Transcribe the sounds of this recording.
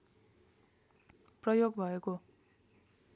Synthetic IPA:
prʌjoɡbʱʌeko

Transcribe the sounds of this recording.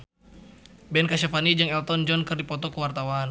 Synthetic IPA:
bɛnkaʃafanid͡ʒɨŋɛlt̪ɔnd͡ʒɔnkɨrdipɔt̪ɔkəwart̪awan

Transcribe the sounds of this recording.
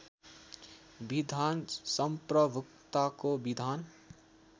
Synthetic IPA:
bid̪ʱaːnsəmpɾəbʊkt̪akobid̪ʱaːn

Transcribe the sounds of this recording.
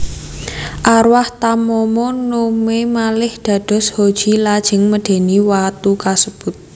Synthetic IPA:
ʔaɾwaht̪amɔmɔnomemalɪhd̪̥a̤ɖ̥ɔ̤shod̥ʒ̥i̤lad̥ʒ̥ɪ̤ŋməɖ̪̥e̤niwat̪ukasəb̥ʊt̪̚

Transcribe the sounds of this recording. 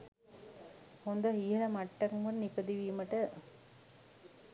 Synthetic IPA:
hond̪aɦiːɦɐlɐmaʈːakmunnikəd̪iʋiːməʈə

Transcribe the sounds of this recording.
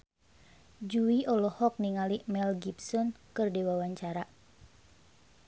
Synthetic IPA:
d͡ʒuiʔɔlɔhɔk̚niŋalimɛlɡipsɔnkɨrdewawaɲt͡ʃaɾa

